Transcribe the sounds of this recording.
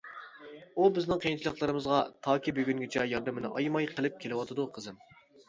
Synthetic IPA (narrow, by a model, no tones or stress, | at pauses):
ubɪznɪŋqʰəjint͡ʃʰlˠəqlˠəɾɨmɨzʁɑt̪ʰɑːkʲʰibøɡʲyŋɡʲet͡ʃʰɛjɑɾd̪ɨmnɪ̰ʔɑ̰jmɑjqʰəlˠɪp̚kʲʰelɪwɑt̪ʰɨd̪uqʰəzɨm